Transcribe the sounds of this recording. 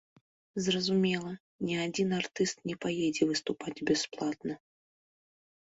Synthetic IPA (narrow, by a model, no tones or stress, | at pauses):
zrɐzumʲɛlˠɐ | nʲɛad͡zʲinart̪ɨst̪nʲɛpajɛd͡zʲɛvɨst̪upad͡zʲbʲɛsplˠat̪̚nɐ